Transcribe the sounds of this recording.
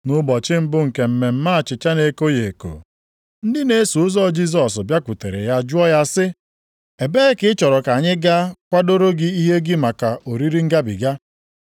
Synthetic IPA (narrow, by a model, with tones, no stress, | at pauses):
nʊ˦bɔ˨t͡ʃɪ˦m̩˦bʊ˦ŋ̩˨ke˨m̩˨me˨m̩˦ma˦a˨t͡ʃɪ˨t͡ʃa˦ne˨ko˦je˨ko̰˨ | n̩˦dɪ˦ne˦su˨ʊ˦zɔ˦d͡ʒi˦z̬ɔ˨s̬bja˦kʷu˨te˨ɾḛ˨ja˦d͡ʒʊ˦ɔ˦ja˦sɪ˦ | e˨be˦ɪ˦kɪ˦ɪ˦t͡ʃɔ˨ɾɔ˨ka˨ɲɪ˦ɡa˦kʷa˦do˦ɾo˦ɡɪ˦i˦ɦe˦ɡɪ˦ma˨ka˨ʔo˨ɾi˦ɾi˦ŋ̩˦ɡa˦bḭ˨ɡa˦